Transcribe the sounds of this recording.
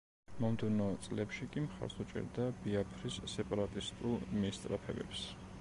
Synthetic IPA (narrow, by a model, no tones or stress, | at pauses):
mɔmd̪ɛvnɔt̪sʼlɛpʃikʼimχa̰ɾsut͡ʃʼɛ̰ɾd̪abiapʰɾisːɛpʼaɾat̪ʼist̪ʼulˠmist̪ʼɾapʰɛbɛ̰ps